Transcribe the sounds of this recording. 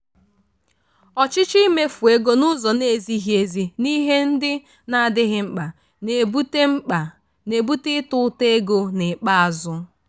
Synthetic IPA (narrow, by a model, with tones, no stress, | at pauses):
ɔ˨t͡ʃɪ˦t͡ʃi˦me˦fu˨e˦ɡo˦nʊ˦zɔ˨ne˨˦˨zi˦ɦi˨˦e˨zi˨ni˦ɦe˦n̩˦dɪ˦ | na˨a˨dɪ˦ɦɪ˦ŋ͡m̩˦k͡pa˨ | e˨bu˦te˦ŋ͡m̩˦˨ | ne˨bu˦tɪ˦tʊ˦te˦ɡo˦nɪ˨k͡pa˦a˨zʊ˦